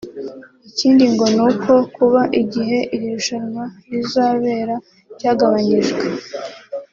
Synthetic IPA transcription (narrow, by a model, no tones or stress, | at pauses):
iciːndiŋɡo̞nuko̞kuβaʔiɟiɦe̞ʔiɾiɾuʃaɾmaɾizaːβe̞ːɾa | vɟaːɡaβaɲiʒɡwe